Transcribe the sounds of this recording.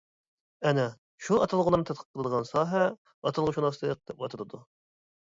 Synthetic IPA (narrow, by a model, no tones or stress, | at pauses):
ɛnɛ | ʃuɑt̪ʰɑlˠʁʊlˠɑɾnɨt̪ʰɛt̪̚qʰə̥t̚qʰːəlˠəd̪əʁɑnsɑːɦɛ | ɑt̪ʰɨlˠʁʊʃunɑst̪əq̚d̪̥ɛp̚wɑt̪ʰɨɾɨd̪u